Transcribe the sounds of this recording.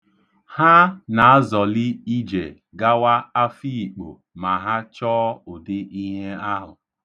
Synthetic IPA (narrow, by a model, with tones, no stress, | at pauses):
ha˦na˨a˦zɔ˨li˦i˦d͡ʒḛ˨ | ɡa˦wa˦a˦fi˦i˨k͡po̰˨ | ma˨ɦa˦t͡ʃɔː˦ʊ˨dɪ˦ʔi˦ɦe˦a˦ɦʊ˨